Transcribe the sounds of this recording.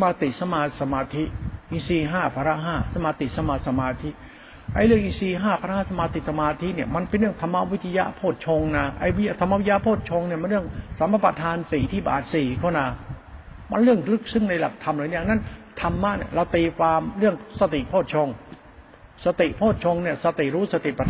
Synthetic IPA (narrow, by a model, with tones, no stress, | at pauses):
a˧maː˧t̪i˨˩sa˧maː˧sa˧maː˧t̪ʰi˦˥ʔi˧siː˧˩ɦaː˥˩pʰaː˧ɾa˦˥ɦaː˥˩sa˧maː˧t̪i˨˩sa˧maː˧sa˧˩maː˧t̪ʰi˦˥ʔ | ʔa˧˩jlɯ˥˩əŋʔi˧˩siː˧ɦaː˥˩pʰa˧ɾa˦˥ha˥˩sa˧maː˧t̪i˨˩sa˧maː˧t̪ʰi˦˥ni˥˩əma˧npe˧nɾɯ˥˩əŋt̪ʰa˧mːa˦˧˥wi˦˥t̪ʰi˧ja̰˦˥ʔpʰoː˥˩t̪̚t͡ɕʰo˧ŋnaː˧ʔa̰˧˩jwi˦˥a˧˩t̪ʰmːa˧˥˧wi˦˥ja˦˥pʰoː˥˩t̪̚t͡ɕʰo˧ŋni˥˩ma˧nɾɯ˥˩əŋsa˨˦ma˧˩pɾa˧t̪ʰaː˧nsiː˨˩t̪ʰiː˥˩ba̰ː˨˩t̪̚siː˨˩kʰaː˥˩naː˧ | ma˧nɾɯ˥˩əŋlɯ˦˥˩k̚sɯ˥˩ŋna˧jla̰˨˩k̚t̪ʰa˧mɾa˨˦ni˥˨na˥˨nt̪ʰa˧mːa˦˥ʔni˦˥˩ɾa˧wt̪iː˧faː˧mɾɯ˥˩əŋsa˧t̪i˨˩ʔpʰoː˥˩t̪̚t͡ɕʰo˧ŋ | sa˧t̪i˨˩ʔpʰoː˥˩t̪̚t͡ɕʰo˧ŋni˥˩sa˧t̪i˨˩ɾuː˦˥sa˧t̪i˨˩pa˧